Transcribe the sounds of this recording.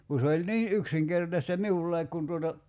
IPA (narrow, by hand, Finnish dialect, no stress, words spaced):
ku se olʲ niː ʔyksiŋkertɑstɑ miulːɑik kun tuotɑ